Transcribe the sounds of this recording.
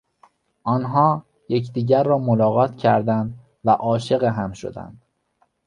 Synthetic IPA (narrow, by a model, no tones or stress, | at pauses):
ʔɒːnɦɒː | jecʰd̪iːɟæɾːɒːmolɒːɣɒːt̪ʰcʰæ̰ɾd̪ænd̪ | væʔɒːʃe̞ɣeɦæmʃo̞̰d̪æ̰nd̪̥